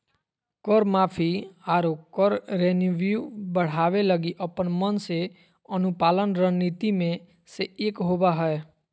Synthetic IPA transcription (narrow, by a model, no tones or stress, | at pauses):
kəɾmaːpʰiaːɾokəɾːeːnʋjubəɽ̤aːʋeləɡiʔəpənmənse | ənʊpaːlənɾəniːt̪imẽ | seeːkɦoːbaɦɛe